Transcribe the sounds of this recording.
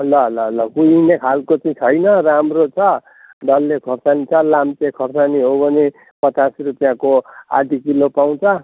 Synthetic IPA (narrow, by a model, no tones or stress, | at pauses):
lʌɦlʌɦlʌkujinekʰalkot͡saĩt͡sʰʌjnʌramrot͡sʰʌ | ɖʌlːekʰʌrsanit͡sʰʌlamt͡sekʰʌrsaniɦobʌne | pʌt͡sasrupjãkoa̰ʈikilopaw̃t͡sʰʌ